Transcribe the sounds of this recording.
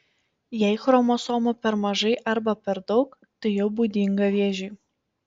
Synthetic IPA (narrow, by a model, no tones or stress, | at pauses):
jɛɪxɾoːmosoːmɐpʲɛɾmɐʒɐɪʔɐɾbɐpʲɛɾd̪ɒʊk | t̪ɨjɛʊbud̪ʲiŋɡɐʋʲeːʒʲiː